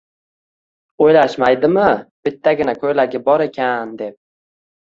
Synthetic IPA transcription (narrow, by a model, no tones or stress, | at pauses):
ojlaʃmajd̪ɪmɪb̥ɪt̪ʰːaɡʲɪnakʰɵjlaɡʲɪbɒɾe̞kʲʰand̪e̞p̚